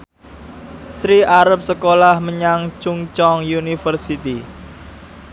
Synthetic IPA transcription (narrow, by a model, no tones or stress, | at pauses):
sɾiʔaɾəp̚səkolahməɲaŋt͡ʃuŋt͡ʃɔŋjunifərsit̪i